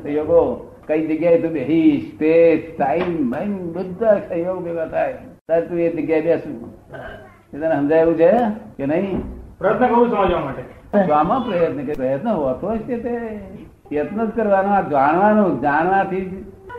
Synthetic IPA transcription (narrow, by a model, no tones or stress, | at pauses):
sə̃ɦjoɡo | kəid͡ʒəɡjajet̪ũbeɦiʃt̪esʈ̪aimbʱaimbəd̪ːasə̃ɦjoɡʋjəʋət̪ʰajt̪aɾet̪ũed͡ʒəɡjajbjasũ | ket̪anẽɦə̃nd͡ʒaeʋũt͡ʃʰekenəɦĩpɾəjət̪nəkəɾũsəməd͡ʒʋamaʈe | oamãpɾəjət̪nəkepɾəjət̪nəʋət̪ʰoʃket̪e | jət̪nət̪kəɾʋanũad͡ʒaɽ̃ʋanũd͡ʒaɽ̃ʋãt̪ʰid͡ʒ